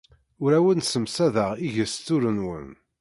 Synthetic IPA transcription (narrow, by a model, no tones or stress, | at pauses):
ʊɾæwənsəmsæðəʁiʝəst̪ːʊɾənwə̰n